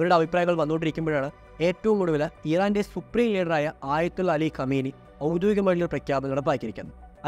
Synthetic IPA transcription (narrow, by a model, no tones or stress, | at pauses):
ɐʋɐɾuɽe̞ɐbʱipraːjɐɣːɐɭʋɐnːoːɳɖiɾikʲːumboːjaːɳɨ | e̞ːtːɐʋumkuɽuʋɐlɐiːraːnde̞supriːŋliːɖɐraːjɐaːjɐt̪ːulːɐlikʰɐmiːni | ɐwd̪joːiɡɐmɐɻilulprɐkʰjaːbɐniɐɽɐp̬ːaːkʲːiɾikʲːunː | ɐ